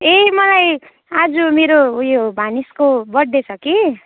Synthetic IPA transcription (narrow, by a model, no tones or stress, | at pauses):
emʌlaj | ad͡zumeɾojobʱaniskobʌɽ̚d̪et͡sʰʌki